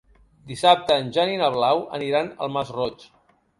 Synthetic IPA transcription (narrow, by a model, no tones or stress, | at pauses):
d̪isap̚t̪əːnʲʒaninəβ̞lawə̰niɾanə̰lˠmazrɔt͡ʃ